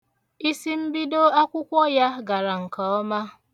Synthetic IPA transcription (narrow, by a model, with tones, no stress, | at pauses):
i˦si˦m̩˦bi˦do˦a˦kʷʊ˦kʷɔ˦ja˦ɡa˨ɾa˨ŋ̩˨ka˨ɔ˦ma˦